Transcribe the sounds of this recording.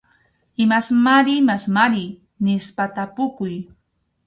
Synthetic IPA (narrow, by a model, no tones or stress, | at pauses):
ɪmasmaɾɪmasmaɾɪ | nɪspat̪apʊkʊj